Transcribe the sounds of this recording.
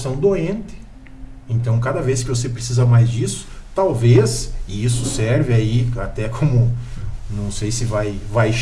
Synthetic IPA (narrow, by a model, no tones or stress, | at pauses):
sɐ̃w̃d̪oẽnt̪ɪ̥ | ẽnt̪ɐ̃w̃kad̪ɐveskɪvosepɾesizɐmajzd͡ʒisʊ̥t̪awvesɪisʊsɛɾvɪaiat̪ɛkʰõmʊnɐ̃w̃sejsɪvajvajʃ